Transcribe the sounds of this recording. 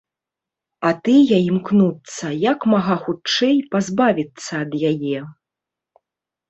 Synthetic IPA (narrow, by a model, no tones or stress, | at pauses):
ɐt̪ɨjaimknut̪sːɐjakmaɣaxut͡ʂɛjpazbavʲit̪sːɐːd̪jajɛ